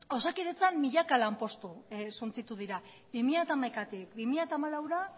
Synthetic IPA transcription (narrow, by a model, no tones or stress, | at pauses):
o̞sakiɾet͡sanmiʎakalampo̞st̪usunt͡sit̪uðiɾa | bimiʎat̪aːmajkat̪ikbimiʎat̪aːmalawɾa